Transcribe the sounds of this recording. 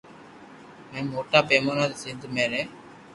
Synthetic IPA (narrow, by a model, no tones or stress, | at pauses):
mɛ̃ːmoːʈaːpeːmoːnaːt̪ːsɪnd̪ʱmeːɾeː